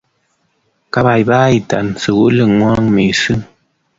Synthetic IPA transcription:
ka˦βa˨jba˦i˨ta˨nsɨ˨ɣu˦lɨ˦˨ŋwa˦ŋmi˨sɨ˦

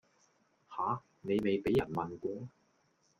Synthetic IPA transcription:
haː˨˥ | ne˨˧jme˨jpe˨˥jɐ˨˩nmɐ˨nkʷɔː˧˥

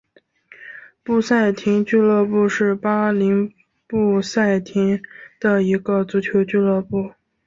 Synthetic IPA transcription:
pu˥˧sa˥˩ɪt̪ʰi˧˥ŋt͡ɕy˥˧lɤ˥˧pu˥˧ʂɻ̩˥˩pa˥li˧˥ŋ | pu˥˧sa˥˩ɪt̪ʰi˧˥ŋd̪̥ə˨i˧˥ɡə˧t͡su˧˥t͡ɕʰjo˧˥ʊt͡ɕy˥˧lɤ˥˧pu˥˩

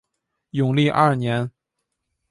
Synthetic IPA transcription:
jʊ˨˩ŋli˥˧ʔɐ˞˥˩njɛ˧˥n

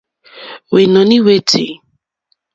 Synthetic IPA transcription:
we˨nɔ̃˨nĩ˦we˦tʰḭ˨

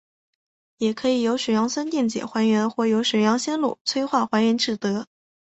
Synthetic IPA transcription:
jɛ˨˩kʰɤ˧˥i˨˩jo˧˥ʊʂ̩˨˩jɑ˧˥ŋsə˥nt̪jɛ˥˩ŋt͡ɕjɛ̰˨˩xwa˧˥nɥɛ˧˥nxwɔ˥˩jo˧˥ʊʂ̩˨˩jɑ˧˥ŋɕjɛ˥nlṵ˨˩t͡sʰwe˥ɪxwa˥˩xwa˧˥nɥɛ˧˥nʈ͡ʂɻ̩˥˩t̪ɤ˧˥

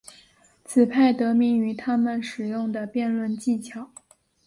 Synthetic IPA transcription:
t͡sʰɹ̩˨˩pʰa˥˩ɪt̪ɤ˧˥mi˧˥ŋy˧˥t̪ʰa˥mə˨nʂɻ̩˨˩jʊ˥˩ŋd̪ə˩pjɛ˥˧nlwə˥˧nt͡ɕi˥˩t͡ɕʰjɑ˨˩˦ʊ

